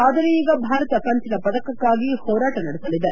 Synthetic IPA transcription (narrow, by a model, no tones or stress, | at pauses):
aːd̪ɐɾeiːɡɐbʱaːɾɐt̪ɐkɐnt̪inɐpɐd̪ɐkɐkːaːɡihɔːɾaːʈɐnɐɽisɐlid̪e